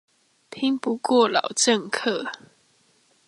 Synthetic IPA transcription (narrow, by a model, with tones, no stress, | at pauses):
pʰi˧˥ŋpu˧˦kwɔ˥˨lɑ˨˩ʊʈ͡ʂə˥˨ŋkʰɤ˥˨